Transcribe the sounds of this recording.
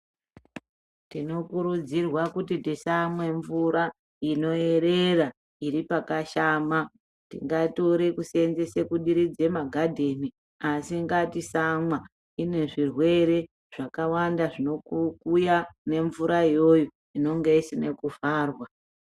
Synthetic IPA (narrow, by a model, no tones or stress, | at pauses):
tino̞kuɾud͡zirwakutitisamwe̞ɱvuɾa | ino̞e̞ɾera | iɾipakaʃaːma | tḭŋɡatoɾekusenze̞sekuɗiɾid͡ze̞maɡʱadʱe̞ni | asiŋɡatisamwa | ine̞ʐirwe̞ɾe̞ | ʐ̥akawandaʐino̞kukujane̞ɱvuɾaijo̞jo | ino̞ŋɡe̞isine̞kuvaːrwa